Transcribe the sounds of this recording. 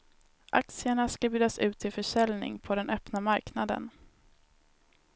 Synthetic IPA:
ʔa̰k̚t̪sɪəɳaskabjʉːd̪asʉ̟ːt̪ʰːɪlfœʂɛlnɪ̰ŋpʰɔd̪ɛnʔœpnamaɾknad̪ə̰n

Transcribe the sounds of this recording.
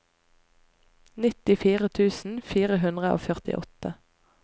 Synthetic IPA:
nɪt̪ɪfiːʁət̪ʰʉːsn̩fiːʁəɦʉnd̪ʁəʔo̰ːfœʁt̪ɪ̰ʔɔt̪ə

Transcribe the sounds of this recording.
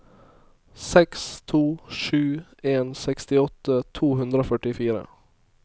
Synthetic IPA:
sɛkst̪ʰuːʂʉːeːnsɛkst̪ɪɔt̪ət̪ʰuːɦʉnd̪ɾoːfœʈɪfiːɾə̰

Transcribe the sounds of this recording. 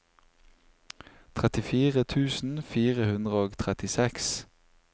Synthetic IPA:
t̪ʰʁɛt̪ɪfiːʁət̪ʰʉːsn̩fiːʁəhʉnd̪ʁəoːɡt̪ʰʁɛt̪ɪsɛks

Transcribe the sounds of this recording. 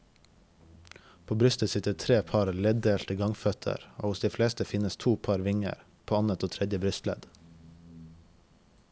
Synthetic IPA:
pʰoːbɾʉst̪əsɪt̪ət̪ʰɾeːpʰɑɾlɛd̪eːlt̪əɡɑŋfœt̪ʰə̰ɾo̰ːhʊsd̪iːfleːst̪əfɪnəst̪ʰuːpʰɑɾʋɪŋə̰ɾ | pʰoːɑnət̪oːt̪ʰɾɛd̪jəbɾʉst̪lɛ̰d̪̥

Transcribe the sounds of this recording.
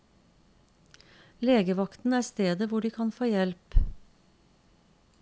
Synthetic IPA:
leːɡəʋɑkt̪n̩æːɾst̪eːd̪əʋʊɖiːkʰɑnfoːjɛlp

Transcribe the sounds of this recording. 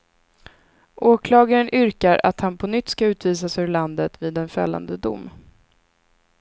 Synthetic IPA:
ʔoːkʰlɑːɡaɾənʔʏɾkaɾa̰t̪hanpʰɔnʏt̪ːskaʉ̟ːt̪viːsasɵɭand̪ət̪viːd̪ɛnfɛ̰lːa̰nd̪əd̪ʊ̰mː

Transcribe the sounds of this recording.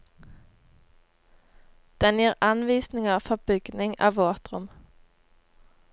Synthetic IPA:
d̪̥ɛnjiːʁɑnʋiːsnɪŋəʁfɔʁbʏɡ̥nɪŋɑ̰ːʋoːt̪ʁʊm

